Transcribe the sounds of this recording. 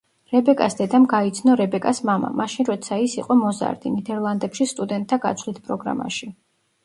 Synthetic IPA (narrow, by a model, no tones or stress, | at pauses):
ɾɛbɛkʼasd̪ɛd̪amɡait̪sʰnɔɾɛbɛkʼasmama̰maʃinɾɔt̪sʰaisḭqʼɔmɔza̰ɾd̪inid̪ɛɾlˠand̪ɛpʃist̪ʼud̪ɛnt̪̚ʼʰːaɡa̰t̪sʰvlit̪ʰpʼɾɔɡɾa̰ma̰ʃi